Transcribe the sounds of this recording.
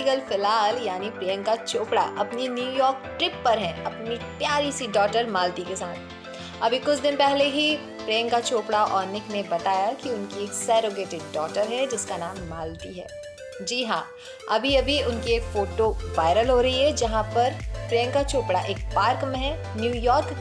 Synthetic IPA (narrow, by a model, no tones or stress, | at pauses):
ɡəlfɪlaːljaːnipɾeːə̃ŋkat͡ʃoːpɽa̰ʔɐpninjuːjɔːɾk̚ʈɾɪpːɐɾɦɛ̃ɐpnit̪jaːɾisiɖɔːʈəɾmaːlt̪ikesaːt̪̚ʰ | ɐbʱikʊt͡ʃʰd̪ɪnpɛɦleɦi | pɾeːə̃ŋkat͡ʃoːpɽaʔɔːɾnɪknẽbɐt̪aːjakiʊnkieːksɛːɾoɡeːʈɪɖːɔːʈəɾɦɛd͡ʒɪskanaːmːaːlt̪iɦɛ̰ː | d͡ʒiːɦãː | ɐbʱiɐbʱiʊnkieːkfoːʈoʋaːɪɾəlɦoɾɐɦiɦɛd͡ʒɐɦãpɐɾpɾeːə̃ŋkat͡ʃoːpɽaʔeːk̚paːɾkmẽɦɛ̃ | njuːjɔːɾk